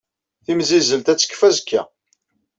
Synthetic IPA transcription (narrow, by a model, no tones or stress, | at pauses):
θimzizəlt̪æt͡sːə̥kːfæzkːæ̰